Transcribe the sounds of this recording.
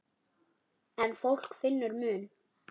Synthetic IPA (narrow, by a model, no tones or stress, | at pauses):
ɛnfowl̥kfɪnːʏɾmʏːn